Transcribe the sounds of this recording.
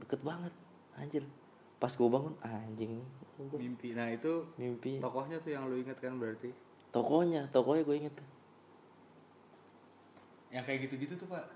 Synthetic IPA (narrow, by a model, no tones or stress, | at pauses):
dəkət̪̚baŋət̪̚ | aɲd͡ʒɪl | pasɡuabaŋʊnaɲd͡ʒɪŋɡmimpinahit̪umimpit̪ɔkɔhɲat̪ʊjaŋloiŋət̪̚kanbəɾart̪i | t̪ɔkɔhɲat̪ɔkɔhɲaɡuaiŋət̪ː | jaŋkajaɡit̪uɡit̪ut̪upaʔ